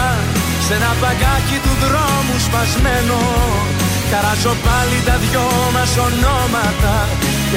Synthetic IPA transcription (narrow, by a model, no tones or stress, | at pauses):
senɐpɐɡɐcit̪uðɾomuspɐzmeno | k̪ɐɾɐzo̞pɐlit̪ɐðʝo | mɐso̞nomɐt̪ɐ